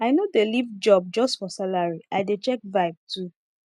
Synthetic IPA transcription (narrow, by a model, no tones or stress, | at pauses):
aɪnodelivd͡ʒɔb̚d͡ʒɔstfɔsalaɹiʔaɪdet͡ʃɛk̚vaɪb̚tʰu